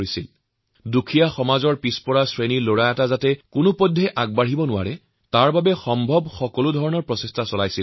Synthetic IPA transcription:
isil | dukʰijaxɔmazɔɹpispɔɹasɹeniloɹajatazatɛkʊnʊpɔdʱːɛʔaɡ̚baɦibɔnʊwa̰ɹɛ | taɹbabɛxɔmbʱɔbxɔkɔlʊdʱɔɹɔnɔɹpɹɔsestʰasɔlajsil

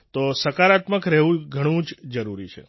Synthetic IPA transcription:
t̪osəkaɾat̪məkɾɛɦʋũɡʱəɽ̃ũd͡ʒd͡ʒəɾuɾit͡ʃʰḛ

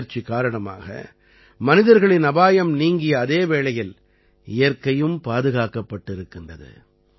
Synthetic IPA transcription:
ɾt͡ʃikːaːɾɐɳɐma̰ːɣɐ̰ | mɐnɪðɐɾɣɐɭɪnɐbaːjɐmniːŋɡɪjɐːðeːʋeːɭɐjɪl | ɪjɐɾkɐjɯmpaːðɯɣaːkːɐpːɐʈːɪɾɯkːɪndrɐðɯ̰

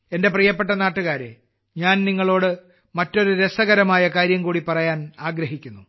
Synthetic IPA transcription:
ende̞priːjɐp̬ːe̞ʈ̬ːɐnaːʈːuɣaːɾḛ | ɲaːnniŋːɐɭo̞ːɽɨ | mɐtːo̞ɾuɾesɐɣɐɾɐmaːjɐkaːɾjɐmkuːɽipɐrɐjaːnaːɡɾɐɦikʲːunːu

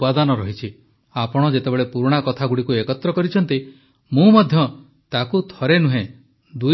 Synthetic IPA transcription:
pad̪ɔnɔɾɔɦit͡ʃʰi | apɔɽ̃ɔd͡ʒet̪ebeɭepuɾɽ̃akɔt̪ʰaɡuɽikuekɔt̪ɾɔkɔɾit͡ʃʰɔnt̪i | mũmɔd̪ʱjɔ | t̪akut̪ʰɔɾenuɦẽ | d̪u

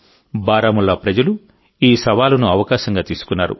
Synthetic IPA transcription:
baːɾaːmulːɐpɾɐd͡ʒɐlu | iːsɐʋaːlɐnuɐʋɐkaːʃɐŋɡaːt̪iːsu̥kunːaːɾṵ

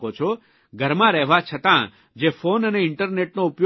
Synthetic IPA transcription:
ot͡ʃʰo | ɡʱəɾmãɾɛɦʋat͡ʃʰət̪ã | d͡ʒefʰonəneɪɳʈəɾneʈnõupjo

